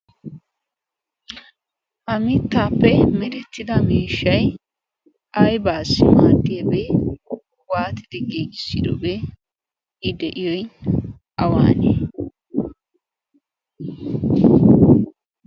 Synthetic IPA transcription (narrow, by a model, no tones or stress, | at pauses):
ʔɐmɪt̪ːaːpːɛmɛd̪ɛt̪ːɪd̪ɐmeːʃːɐj | ɐjbaːsːɪmaːd̪ːɪjɐbe | waːt̪ɪd̪ɪɡeːɡɪsɪ̰d̪ɔbɛ | ɪd̪ɛʔɪjɔj | ʔɐwa̰ːne